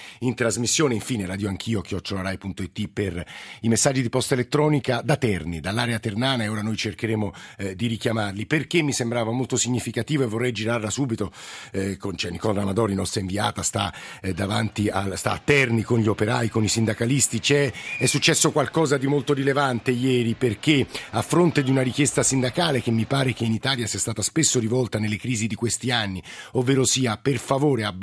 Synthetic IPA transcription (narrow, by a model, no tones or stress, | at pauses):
int̪ɾazmisːjoːneiɱfiːneɾaːd̪joaŋkʰiːok̟jɔt͡ʃːolaɾajpunt̪oit̪ːiperimesːad͡ʒːid̪ipɔst̪aelet̪ːɾɔːnikad̪at̪ɛrnid̪alːaːɾeat̪ernaːnaeoːɾanojt͡ʃerkeɾeːmod̪iɾikjamarliperk̟emːisembɾaːvamolt̪osiɲːifikat̪iːvoevːorːɛjd͡ʒiɾarlasuːbit̪okont͡ʃɛnikɔlɾamad̪ɔːɾinɔst̪ɾaĩɱviaːt̪ast̪ad̪avant̪iast̪a̰ːt̪ːɛrnikonʎiopeɾaːikonisind̪akalist̪it͡ʃɛɛsːut͡ʃːɛsːokwalkɔːzad̪imolt̪oɾilevant̪ejɛːɾiperk̟eafːɾont̪ed̪iunaɾikjest̪asind̪akaːlek̟emːipaːɾekeinit̪aːljasiɛast̪aːt̪aspesːoɾivɔlt̪anelːekɾiːzid̪ikwest̪ianːiovːeːɾosiːaperfavoːɾeab